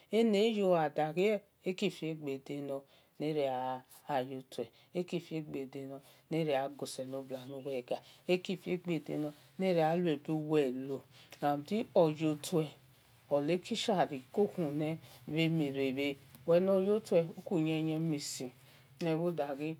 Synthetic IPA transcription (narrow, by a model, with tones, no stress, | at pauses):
e˦ne˨˦jo˧˨a˨da˨ɡi˦ɛ˦˨ | e˦ki˦˨fi˧˦e˦ɡ͡be˨de˧nɔ˧ | ne˦ɾe˧aː˨ | jo˧tu˨ɛ˨ | e˦ki˦˨fi˧˦e˦ɡ͡be˨de˨˧˨nɔ˧ | ne˦ɾe˧˦a˨ɡo˨sɛ˨no˨˧˦bla˨no˧˦wɛ˦˨ɡa˨e˦ki˦˨fi˧˦e˦ɡ͡be˨de˧nɔ˧ | ne˦ɾe˧˦˨a˨˦lu˦e˨bi˧˦wɛ˨lo˨na˨m˨ti˦ɔ˨d͡ʒo˧tu˦ɛ˨ | ɔ˨le˨˦ki˦ʃa˦˨ɾi˨ko˦kũ˨nɛ˧βe˧mi˨ɾe˨be˧˨wɛ˧no˧˦jo˦tu˦ɛ˧o˦ku˦ɲɛ˧jɛ˧mi˨sĩ˨ | nɛ˧˨wo˦da˨ɡi˦